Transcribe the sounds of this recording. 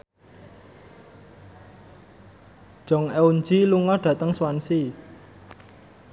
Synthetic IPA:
ʒ̥ɔ̤ŋɛund͡ʒiluŋɔɖ̥ä̤t̪əŋswansi

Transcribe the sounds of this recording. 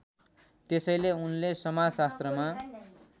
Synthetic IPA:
t̪esʌjleunlesʌmad͡zsast̪rʌma

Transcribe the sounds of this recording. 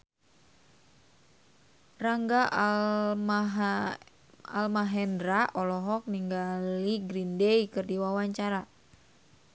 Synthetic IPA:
raŋɡa | ɦ | a̰lmaɦɛndɾaʔɔlɔɦɔk̚niŋɡaliɡɾindɛjkɨrdiwawaɲt͡ʃaɾa

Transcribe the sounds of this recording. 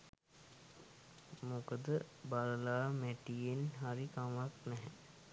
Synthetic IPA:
mokəd̪əbaləlaːmæʈijenɦaɾikamaknɛɦɛ

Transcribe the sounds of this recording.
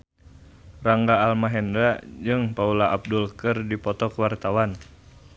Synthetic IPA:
raŋɡaːlmaɦɛndɾad͡ʒɨŋpaulaʔab̚dulkərdipɔt̪ɔkəwart̪awan

